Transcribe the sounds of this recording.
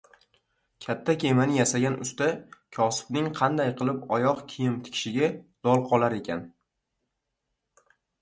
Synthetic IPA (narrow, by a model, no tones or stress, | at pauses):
kʲʰat̪ʰːakʲʰe̞manɪjasaɡʲanʊ̰st̪akʲʰɒsɪ̥bnɪŋqʰɑnd̪ajqʰɨlˠɪpɒjɒqkʲʰɪjɪmt̪ʰɪ̥kʲʃɪɡʲad̪̥ɒlˠqʰɒlˠaɾe̞kʲʰan